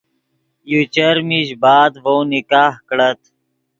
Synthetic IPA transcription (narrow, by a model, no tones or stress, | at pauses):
jut͡ɕəɾmiɕbaːd̪ʋownikaːhkɽət̪